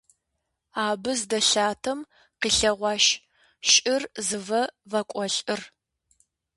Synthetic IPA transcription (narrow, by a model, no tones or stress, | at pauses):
aːbɨzdɐɬaːtʰɐm | qiːɬɐʁʷɑːʃ | ɕʼɪrzɨvɐvɐkʷʼɔɬʼɨr